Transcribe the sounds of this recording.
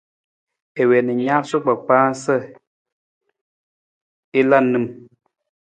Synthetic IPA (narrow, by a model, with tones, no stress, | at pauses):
e˨wɛ˨ni˨ɲa˦so˦k͡pa˨k͡paː˦sə˦˨ | e˦la˦˨nɨ˦˨m